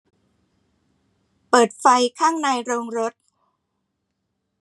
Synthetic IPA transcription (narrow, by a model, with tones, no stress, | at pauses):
pɤː˨˩t̪̚fa˧jkʰaː˥˩ŋnaː˧jɾoː˧ŋɾo˦˥t̪̚